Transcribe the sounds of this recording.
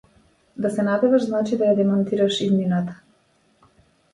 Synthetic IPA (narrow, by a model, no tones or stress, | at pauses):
d̪asɛnabɛvaʃznat͡ʃid̪ajad̪ɛmant̪iɾaʃid̪minat̪ḁ